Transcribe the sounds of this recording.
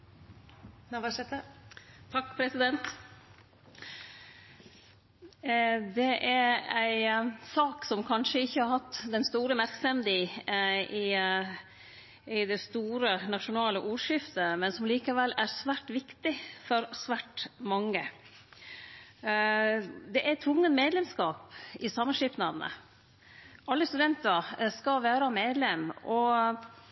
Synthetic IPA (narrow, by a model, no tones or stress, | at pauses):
ʋɛt̪ət̪ʰɑkːpʰɾɛsɪd̪ɛnt̪ | d̪ɛʔæɾæɪsɑːksɔmkʰɑnʂəɪçːəɑɾhɑt̪ːd̪ɛnst̪uːɾəmæɾksɛmd̪iː | ɪ | ɪd̪ɛst̪uːɾənɑʂʊnɑːləʔuːɾʂɪft̪əmɛnsɔmliːkɑʋɛlːæɾsʋæːʈʋɪkt̪ɪfɔɾsʋæːʈmɑŋːə | d̪ɛʔæt̪ʰʋʊŋːənmeːd̪lɛmskɑːpɪsɑmːɑnʂɪpnɑd̪nə̰ | ɑlːəst̪ʉd̪ɛnt̪əɾskɑʋæːɾɑmeːd̪lɛmʔɔ